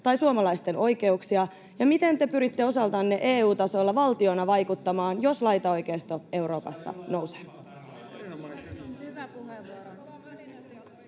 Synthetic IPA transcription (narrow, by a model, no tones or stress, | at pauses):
t̪ɑjsuomɑlɑjst̪e̞no̞jke̞uksiɑ | jɑmit̪e̞nt̪e̞pyɾit̪ːe̞o̞sɑlt̪ɑnːeʔeːuːt̪ɑso̞lːɑʋɑlt̪io̞nɑʋɑjkut̪ːɑmɑːnjo̞slɑjt̪ɑojkejst̪o̞e̞wɾo̞ːpɑ̰sːɑ̰no̞wse̥